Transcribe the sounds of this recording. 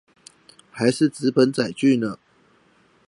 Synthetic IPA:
xa˨˦ɪʂɻ̩˥˨t͡s̩˨˦pə˨˦nt͡sa˨˩ɪt͡ɕy˥˨nə˨

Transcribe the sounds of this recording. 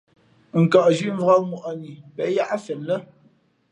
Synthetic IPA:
ŋ̩˨ka˨ʔd͡ʒɥi˦ɱ˦vɣɔ˦k̚mu˨ʔɔ˨ni˨pɛ˨˦ja˦ʔa˦fɛ˨nlə˦

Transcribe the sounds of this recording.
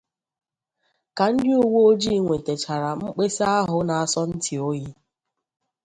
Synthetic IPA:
ka˨n̩˦dɪ˦u˦wo˦o˦d͡ʒi˦˨ŋʷe˨te˨t͡ʃa˨ɾa˨ŋ͡m̩˦k͡pe˦se˦a˦ɦʊ˦na˨a˦sɔ˦n̩˦tʰɪ˨o˦ji˦

